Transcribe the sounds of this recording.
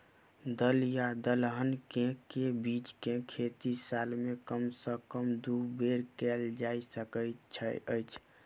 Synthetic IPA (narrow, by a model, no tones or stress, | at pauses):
d̪əljad̪əlɦənkekebit͡ʃkekʰet̪isalmekəmsəkəmd̪ubeɾkɛld͡ʒaisəkətt͡ʃʰə̰ə̰jt͡ʃʰ